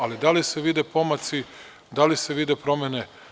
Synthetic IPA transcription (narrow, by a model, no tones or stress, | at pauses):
alid̪alise̞ʋid̪epo̞mat̪si | d̪alise̞ʋid̪epɾo̞mene